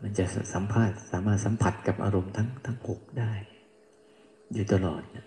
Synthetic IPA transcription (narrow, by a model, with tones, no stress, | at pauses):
ma˧nt͡ɕa˨˩ʔsa˩˦mpʰaː˥˩t̪̚saː˩˦maː˥˩t̪̚sa˩˨˦mpʰa˨˩t̪̚ka˨˩p̚ʔa̰ː˧ɾo˧mt̪ʰa˦˥ŋt̪ʰa˦˥ŋho˨˩k̚daː˥˩j | juː˨˩t̪a˧lɔ̰ː˨˩t̪̚na˦˥˩